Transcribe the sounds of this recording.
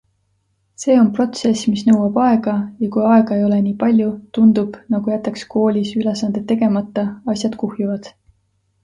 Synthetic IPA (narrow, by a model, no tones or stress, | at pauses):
se̞ːo̞npro̞t̪se̞smisnɤwɑb̥ɑe̞ɡ̥ɑjɑkujɑe̞ɡ̥ɑe̞jo̞le̞niːpɑlʲjut̪und̪̥ub̥nɑɡ̥ujæt̪ːˑɑksko̞ːlʲisylesɑnd̪̥e̞t̪ːe̞ɡe̞mɑt̪ːˑɑɑsʲjɑd̪̥kuhjuvɑd̪̥